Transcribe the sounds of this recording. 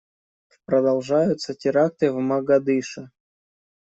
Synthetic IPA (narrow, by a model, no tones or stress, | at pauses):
pɾɐd̪ɐlˠʐajʊt̪sətʲɪɾak̚t̪ɨvmɐɡɐd̪ɨʂɨ